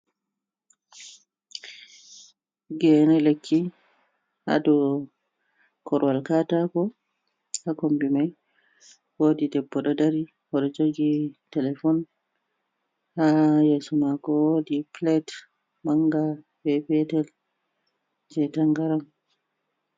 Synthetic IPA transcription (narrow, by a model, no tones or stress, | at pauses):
ɡɛnɛlekʰːi | ha̰dɔ | kʰɔɾwalkatakɔ | hakombimaj | wodidɛbːɔɗɔdaɾi | wɔɗɔd͡ʒoɡitɛlɛfɔn | hajɛsumakɔwodiplɛt | maŋɡa | bɛbɛtɛl | d͡ʒɛtaŋɡaɾam